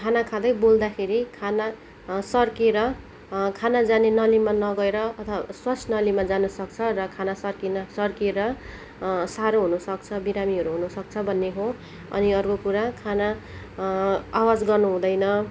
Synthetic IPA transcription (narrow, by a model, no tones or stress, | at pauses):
kʰanakʰad̪ʌjbold̪akʰeɾikʰana | sʌrkeɾʌ | kʰanad͡zanenʌlimanʌɡʌeɾʌʌt̪ʰwaswʌt͡sʰnʌlimad͡zanʌsʌkt͡sʰʌrʌkʰanasʌrkinsʌrkeɾʌ | saɾoɦunʌsʌk̚t͡sʰʌbiɾamiɦʌɾuɦunʌsʌk̚t͡sʰʌbʱʌnːeɦo | ʌ̰niʌrkokuɾakʰana | awad͡zɡʌrnuɦũd̪ʌjnʌ